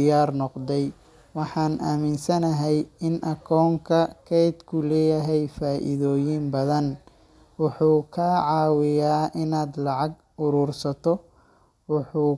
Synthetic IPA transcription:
jaːrnɔqd̪ɛj | wɑħɑːnʔaːmɪnsɐnɐɦɛjɪnʔɐkʰɔːŋkʰɐkʰɛjd̪kʰʊlɛːjɐɦɛjfaːʔɪ̰ðɔːjɪmbɐðɐn | wʊħuːkʰaːʕɑːwɪjaːʔɪnaːd̪lɑʕɑɡ̚ | ʊɾuːrsɐt̪ʰɔ | wʊħuː

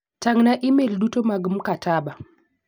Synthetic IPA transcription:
taŋnaʔimelɗutomaɡm̩kataɓa

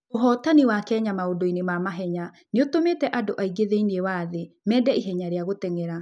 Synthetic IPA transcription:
oɦɔːtaniwakɛːɲamaodoinemamaɦɛɲa | neotometɛʔadoʔaiɡeðeiniewaðe | mɛːdɛiɦɛɲaɾeaɣotɛŋɛɾa

